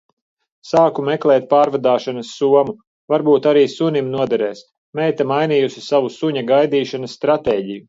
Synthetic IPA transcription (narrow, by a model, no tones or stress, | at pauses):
saːkumɛklˠɛːt̪̚paːɾvad̪aːʃanɐsːuɔmu | vaɾbuːt̪aɾiːsunʲimnuɔd̪ɛɾɛːs | mɛjt̪amajniːjusisavusuɲaɡajd̪iːʃanɐsːt̪ɾat̪eːɟiju